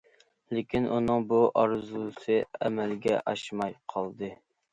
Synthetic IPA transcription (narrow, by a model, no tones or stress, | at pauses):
lekʲʰinʔunɨŋbuʔɑɾzusɨɛmɛlɡʲɛ̰ʔɑʃmɑjqʰɑlˠd̪ɨ